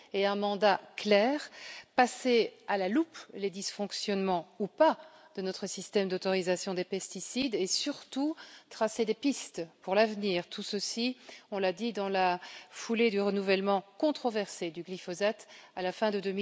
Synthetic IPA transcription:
eɛ̃mɑ̃d̪aklɛːʁpasealalupled̪isfɔ̃ksjɔnmɑ̃upad̪̥ənɔt̪χəsist̪ɛmd̪ot̪ɔʁizasjɔ̃d̪epɛst̪isid̪esyʁt̪ut̪χased̪epist̪puʁlavniːʁt̪ʰusəsiɔ̃lad̪id̪ɑ̃lafuled̪yʁənuvɛlmɑ̃kɔ̃t̪χɔvɛʁsed̪yɡlifɔzat̪alafɛ̃d̪əd̪ømi

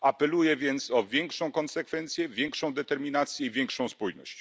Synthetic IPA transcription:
apɛlujɛvʲjɛnt̪sɔvʲjɛŋkʂɔ̃w̃kɔnsɛkfɛnt̪sʲjɛvʲjɛŋkʂɔ̃w̃d̪ɛt̪ɛɾmʲinat̪sʲjɛivʲjɛŋkʂɔ̃w̃spujnɔ̰ɕt͡ɕ

